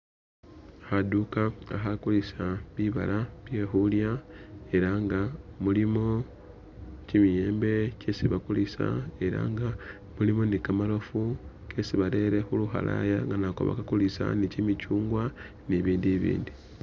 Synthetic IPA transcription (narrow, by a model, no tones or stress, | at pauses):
xadukaaxakulisaβiβa̰laβje̞ːxuljae̞ɾaŋɡamulimo̞ | cimije̞ːmbe̞cesiβakulisa̰e̞ɾa̰ŋɡa | mulimo̞nikamalo̞fu | kʰe̞siβale̞ɾe̞xuluxa̰la̰jaŋɡanakoβa̰kakulisa̰nicimicuːŋɡwa | niβiːndiβḭːndi